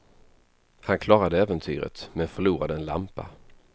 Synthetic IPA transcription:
hankʰlɑːɾad̪əɛːvənt̪ʰyːɾə̰t̪mɛnfœɭuːɾad̪əɛnla̰mpa̰

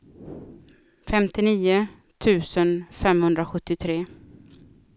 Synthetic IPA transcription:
fɛmt̪ɪniːʊ | t̪ʰʉ̟ːsənfɛmhɵnd̪ɾaɧɵt̪ːɪt̪ʰɾeː

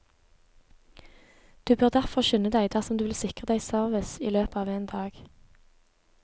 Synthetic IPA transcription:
d̪̥ʉːbøːʁd̪æʁfɔʁʃʉnəd̪æɪd̪æːʁsɔmd̪ʉːʋɪlsɪkʁəd̪æɪsœʁʋɪsḭːløːpɑːʋeːnd̪ɑːɡ̥

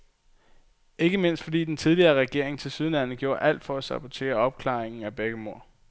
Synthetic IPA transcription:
e̝ɡ̥əme̝n̰sd̥fɒ̽d̥ḭːd̥ent͡sʰið̞ˠliɐːʁɛɡ̥e̝ɐ̰eŋt͡sʰe̝lsyðˠlæn̰̩ɡ̥jo̝ːɐʔæl̰d̥fɒ̽æsɑ̈b̥ʰɒt͡sʰe̝̰ːɐɒ̽b̥̚kʰlɑ̈ːeŋn̩æb̥eɡ̥əmo̝ɐ̰

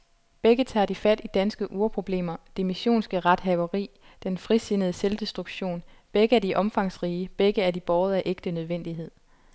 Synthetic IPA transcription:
b̥eɡ̥ət͡sʰɑ̰̈ːd̥ifæd̥id̥ænsɡ̥əʔuːɐpʰʁo̝b̥le̝̰ːmɐd̥imiɕo̝̰ːnsɡ̥əʁɑ̈d̥ɦɛʊɐʁḭː | d̥enfʁise̝nəð̞̩ˠəseld̥e̝sd̥ʁuɡ̥ɕo̝̰ːn | b̥eɡ̥əæd̥iʔɒ̽mfɑ̈ŋ̰sʁiːəb̥eɡ̥əæɐd̥ib̥ɒːʊð̞̩ˠæʔe̝ɡ̥d̥ənøð̞ˠʋen̰d̥iɦe̝ð̞̰ˠ

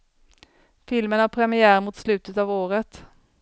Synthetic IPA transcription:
fɪlmənapʰɾɛmɪæːɾmʊt̪slʉ̟ːt̪ət̪ɑːvoːɾət̪

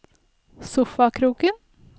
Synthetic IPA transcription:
sʊfɑkʰɾuːkən

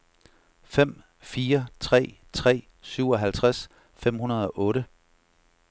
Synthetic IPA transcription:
fem̰ | fiːɐt͡sʰʁɛ̰ː | t͡sʰʁɛ̰ː | syʊ̰ɒ̽ɦælt͡sʰʁas | fem̰hunɐð̞ˠɒ̽ʔɔ̽ːɾə

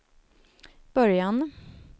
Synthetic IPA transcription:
b̥œɾjɑn

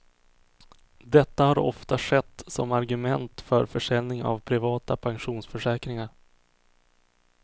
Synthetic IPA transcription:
d̪ɛt̪ːahaɾɔ̰ft̪aʂɛt̪ːsɔ̰maɾɡɵmɛnt̪fœɾfœʂɛlnɪŋa̰vpʰɾɪvɑːt̪apʰanɧuːnsfœʂɛːkɾɪŋaɾ

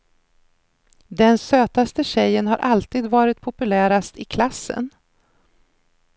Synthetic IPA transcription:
d̪ɛnsøːt̪ast̪əɕɛjːənhaɾʔalt̪iːd̪vɑːɾɪt̪̚pʰʊpɵlæːɾast̪ɪkʰlasːə̰n

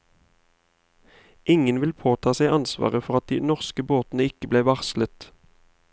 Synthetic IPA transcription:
ʔɪŋənʋɪlpʰoːt̪ʰɑːsæɪʔɑnsʋɑ̰ːʁəfɔʁɑt̪̚d̪iːnɔʁskəboːt̪n̩əɪkəbleːʋɑʁslət̪

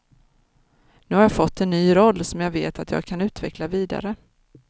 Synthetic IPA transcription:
nʉ̟ːhaɾjɑːfɔt̪ʰːɛnːyːɾɔlːsɔmjɑːɡvḛːt̪at̪ʰjɑ̰ːɡ̚kʰanʉ̟ːt̪vɛklaviːd̪a̰ɾə

